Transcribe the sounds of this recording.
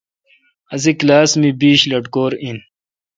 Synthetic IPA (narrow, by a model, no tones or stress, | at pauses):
ɐziklaːsmibiːɕlɐʈkoːɾin